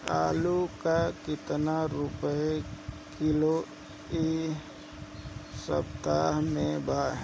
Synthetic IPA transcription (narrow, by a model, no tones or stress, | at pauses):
aːlukakɪt̪naɾʊpəe | kɪlo | i | sə̰pt̪aɦmẽbaːɦ